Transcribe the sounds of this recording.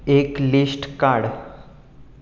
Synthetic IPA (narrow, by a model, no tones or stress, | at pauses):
eklisʈkaɽ